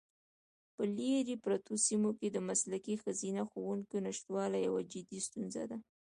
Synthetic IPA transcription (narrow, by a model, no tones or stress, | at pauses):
pəleɾepɾat̪ʰosimoked̪əmaslakixazinaxowuŋkonaʃt̪wɑlajawad͡ʒɪd̪ist̪unza̰d̪a